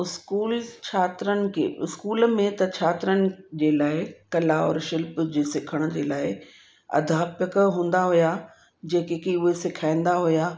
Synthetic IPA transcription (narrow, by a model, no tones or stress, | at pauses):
ʊskuːlt͡ɕʰaːt̪ɾənɪ̆kʰḛːʊskuːl̆mẽt̪ɐt͡ɕʰaːt̪ɪɾənɪ̆d͡ʑeːlaːɪkɐlaɔ̰ːɾʃɪlpd͡ʑeːsɪkʰəɽ̃d͡ʑeːlaːɪ | ɐ̰d̪ʱaːpjəkɦũːn̆d̪aɦʊja | d͡ʑeːkekiʊɦesɪkʰaːĩn̆d̪aɦʊjaː